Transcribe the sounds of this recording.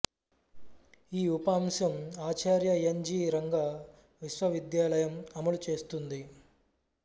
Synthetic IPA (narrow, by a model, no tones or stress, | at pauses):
iːupaːmsɐmaːt͡ʃaːɾjɐeɲd͡ʒiːɾɐŋɡa | ʋiʃʋɐʋid̪jaːlɐjɐmɐmɐlut͡ʃe̞ːst̪und̪i